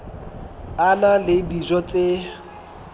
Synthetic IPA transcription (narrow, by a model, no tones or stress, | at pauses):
analɪbiʒɔt͡sʼe